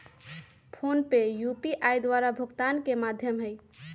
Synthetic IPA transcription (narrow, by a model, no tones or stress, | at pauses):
pʰonpejupiʔajd̪waɾabʱəɡt̪ankemad̪ʱjəmɦəj